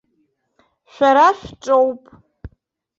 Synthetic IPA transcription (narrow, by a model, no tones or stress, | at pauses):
ʃʷᶣaɾaʃʷᶣʈ͡ʂʼowpʼ